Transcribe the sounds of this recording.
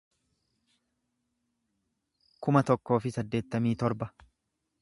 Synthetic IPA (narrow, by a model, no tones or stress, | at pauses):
kʊmɐt̪ɔkːo̞ːfɪsɐd̪ːe̞ːt̪ːɐmiːt̪ɔɾbɐ